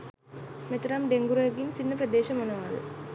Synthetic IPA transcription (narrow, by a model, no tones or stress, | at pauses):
met̪uɾamɖeŋɡuɾɐjɐɡinsinːɐprɐd̪eːʃɐmonɐʋal̰